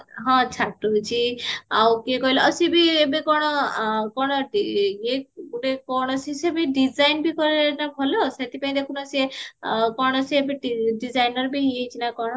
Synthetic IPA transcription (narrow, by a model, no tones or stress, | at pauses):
ɦɔ̃t͡ʃʰaʈut͡ʃʰiawkekɔɦileɔsibiebekɔɽ̃ɔkɔɽ̃ɔijeɡuɽekɔɽ̃ɔsisebiɖizajnbikɔɾinabʱɔloset̪ipaĩd̪ekʰunɔsiekɔɽ̃ɔsiebeʈiɖizajnɔɾbiɦiet͡ʃʰinakɔɽɔ